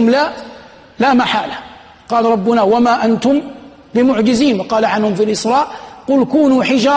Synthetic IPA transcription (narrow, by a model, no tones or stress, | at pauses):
ʊmla | laːmaħa̰ːla | qɑːlɾˤɑbːʊnawamaʔant̪ʊm | lɪmʊʕd͡ʒɪziːnqɑːlaʕanhʊmfilʔɪsɾˤɑːʔqʊlkuːnuːħɪd͡ʒɑː